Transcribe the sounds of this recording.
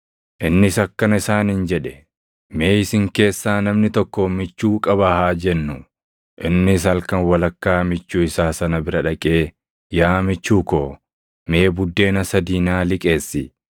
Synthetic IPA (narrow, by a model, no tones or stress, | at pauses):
ʔɪnːɪsɐkːɐnɪsaːnɪnd͡ʒɛᶑɛ̥ | me̞ːɪsɪŋke̞ːsːaːnɐmnɪt̪ɔkːomɪt͡ʃːuːkʼɐbɐhaːd͡ʒɛnːʊ | ʔɪnːɪs̬ɐlkɐnwɐlɐkːaːmɪt͡ʃːuːɪsaːsɐnɐbɪɾɐᶑɐkʼe̞ː | jaːmɪt͡ʃːuːkoː | me̞ːbʊd̪ːe̞ːnɐsɐd̪iːnaːlɪkʼe̞ːsːɪ